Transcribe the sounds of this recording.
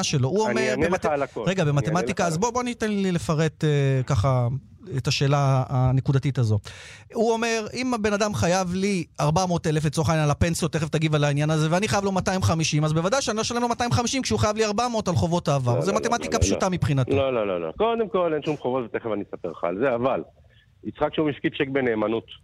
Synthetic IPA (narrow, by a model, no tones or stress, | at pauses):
ʃelo̞uomeʁnbelalakoʁeɡabemattemat̪ikaːzbo̞bo̞anit̪enlile̞faʁe̞t̪ekaχa | etaʃe̞ːlaːne̞kudatitazo̞ | uo̞me̞ʁimbe̞nadamχajavliaʁbamo̞t̪elefett͡soχanalape̞nsijo̞t̪ːeχevt̪aɡivalainjanaze̞veaniχajavlo̞mataimχamiʃimazbevad̪ajʃeanilo̞ʃale̞mlo̞mat̪aimχamiʃimkʃeuχajavliaʁbamo̞talχo̞vo̞taːvaʁzematemat̪ikapʃutamipχinatlololo̰lo̰ko̞d̪e̞mko̞lenʃumχovot̪vet̪eχevanisapeʁχa̰ːlzeaval | it͡sχakʃeumifkitt͡ʃek̚beneːmanut̪